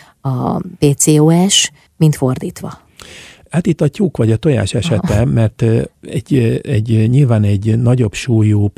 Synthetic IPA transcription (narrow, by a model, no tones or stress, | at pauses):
ɒpeːt̪seːoːɛʃ | mint̪fo̞rd̪iːt̪ʋɒ̰ | aːt̪it̪ːɒcːukʋɒɟɒt̪oja̰ːʃɛʃɛt̪ɛmɛrt̪ɛɟːɛɟːɲiːlvaːnɛɟnɒɟo̞bʃuːjuː